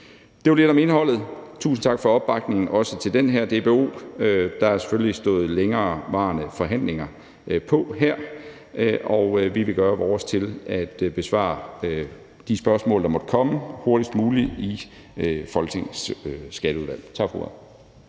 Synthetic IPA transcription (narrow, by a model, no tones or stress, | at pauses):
d̥e̝ʋɑle̝ɾ̥ɒ̽me̝nɦɒ̽l̰ð̩ˠt͡sʰṵːsn̩t͡sʰɑ̈ɡ̥fɒ̽ɒ̽b̥ːɑ̈ɡ̥ne̝ŋn̩ʔɒ̽sət͡sʰe̝ld̥enɦæɐ̰d̥e̝b̥e̝o̝̰ːød̥ɑ̈æse̥føllisd̥ɔ̰̽ːð̞̩ˠleŋɐːʋɑ̈ːnəfɒ̽ɦæn̰le̝ŋɐ | pʰɒ̽ɦæɐ̰ | ʔɒ̽ʊʋiʋe̝ɡ̥ɶːɐʋɒːst͡sʰe̝læd̥b̥e̝sʋɑ̰̈ | d̥isb̥ɶɐsmɔ̰̽ːld̥ɑ̈mɒ̽d̥əkʰɒ̽məho̝ɐd̥isd̥muːlii | fɒ̽lɡ̥t͡sʰe̝ŋssɡ̥æd̥ɾəuðˠʋæl̰t͡sʰɑ̈ɡ̥fʁo̰æ